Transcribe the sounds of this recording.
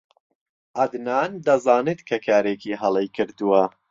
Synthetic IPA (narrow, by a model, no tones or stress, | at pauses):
ʔɐd̪naːnd̪ɐzaːnet̪kʰɐkʰaːɾeːkʰiːɦɐlˠejkʰɨɾd̪uwɐ